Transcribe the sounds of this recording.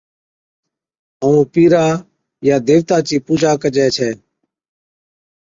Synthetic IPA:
əũːpiːɾaː | jaːd̪eːʋt̪aːt͡ʃiːpuːd͡ʒaːkəd͡ʒɛːt͡ʃʰɛː

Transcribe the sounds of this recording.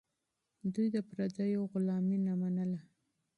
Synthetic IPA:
d̪ujd̪əpɾad͡zajoɣʊlɑminamanəla

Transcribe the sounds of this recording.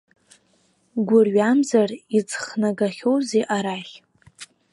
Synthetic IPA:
ɡʷʊrɥamzarit͡sʰʼχnaɡaχʲowzeʔaɾaχʲ

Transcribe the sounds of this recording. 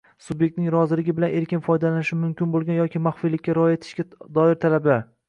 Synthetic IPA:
subjek̚t̪nɪŋɾɒzɪlɪɡʲɪbɪlane̞ɾkʲɪnfɒjd̪alanɪʃɪmʊmkʲɪnbolˠɡʲanjɒkʲʰɪmaχfijlɪkʲːaɾɒjet̪ʰɪ̥ʃkʲad̪ɒɪɾt̪ʰalaba

